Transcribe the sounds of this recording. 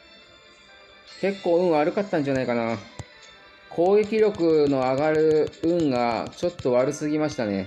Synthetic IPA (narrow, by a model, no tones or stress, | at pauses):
ke̞kːo̞ːɯ̟̃ɰ̃aːɾɯ̟kat̪ːãɲ̟d͡ʑanaikana | kʰo̞ːɡe̞kʲiɾʲo̞kɯ̟no̞aɡaɾɯ̟ɯ̟̃ŋɡat͡ɕo̞t̪ːo̞βaɾɯ̟sɨɡʲimaɕi̥t̪ane̞